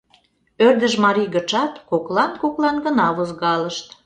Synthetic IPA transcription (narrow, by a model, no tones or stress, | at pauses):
ørd̪əʒmɑɾijɣə̆t͡ʃɑt̪koklɑnkoklɑnɡənɑβozɣɑləʃt̪